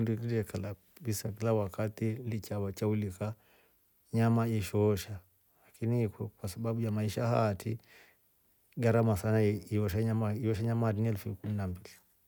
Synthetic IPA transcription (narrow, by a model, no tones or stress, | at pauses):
ndukiɾɛkala | ɓisakilawakatilit͡ʃawat͡ʃaulika | ɲamaiʃɔːʃa | lakinikɛkwasaɓaɓujamaiʃaha̰tʰi | ɡaɾamasanaiɔʃaɲamaiɔʃaɲamatiniɛlfukuminambili